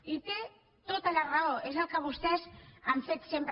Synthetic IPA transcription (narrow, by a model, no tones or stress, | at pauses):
it̪e | t̪et̪alaraoʔezakaβust̪esant͡set̪semp